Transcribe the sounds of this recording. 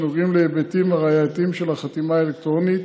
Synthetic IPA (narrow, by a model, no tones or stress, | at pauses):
noʁimleebet̪imaʁajat̪imʃelaχat̪imaelekt̪ʁo̞nit̪